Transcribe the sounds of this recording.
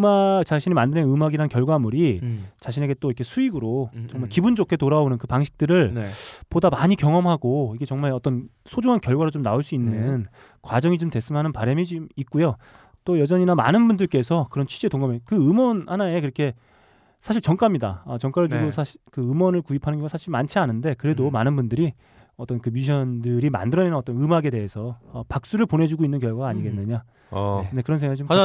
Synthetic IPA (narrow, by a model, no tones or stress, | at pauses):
ɯmat͡ɕaɕʰinimandɯɾenɯmaɡiɾankjʌɭɡwamuɾit͡ɕaɕʰine̞ɡe̞t͈oiʌkʰe̞sʰuiɡɯɾot͡ɕʌŋmaɭkibund͡ʑokʰe̞toɾaonɯnkɯpaŋɕʰi̥k̚t͈ɯɾɯɭnpodamaɲikjʌŋʌmɦaɡoiɡe̞t͡ɕʌŋmaɭʌt͈ʌn | sʰod͡ʑuŋɦankjʌɭɡwaɾot͡ɕomnaoɭs͈uinːɯn | kwad͡ʑʌŋit͡ɕomdtwes͈ɯmanɯnpaɾemid͡ʑimik͈ujo | t͈ojʌd͡ʑʌɲinama̰nɯnbundɯɭk͈e̞sʰʌkɯɾʌnt͡ɕʰɥi̥d͡ʑetoŋɡamekɯɯmwʌnhanae̞k̬ɯɾʌkʰe̞ | sʰaɕʰiɭt͡ɕʌŋk͈amɲida̰ʌt͡ɕʌŋk͈aɾɯɭd͡ʑuɡosʰaikɯɯmwʌnɯɭkuipʰanɯnʌɡasʰaɕʰiɭmant͡ɕʰianɯnde̞kɯɾe̞domanɯnbundɯɾi | ʌt͈ʌnkɯmiɕ̬ʰʌndɯɾima̰ndɯɾʌnenaʌt͈ʌnɯmaɡe̞de̞ɦe̞sʰʌːpak̚s͈uɾɯɭpone̞d͡ʑuɡoinːɯnk̬jʌɭɡwaɡaːɲiɡe̞nːɯɲa | ne̞kɯɾʌnsʰeŋaɡit͡ɕom